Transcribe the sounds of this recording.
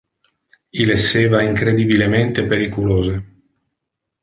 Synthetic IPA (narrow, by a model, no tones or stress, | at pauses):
ilesːeːvaiŋkɾed̪ibilement̪epeɾikuloːze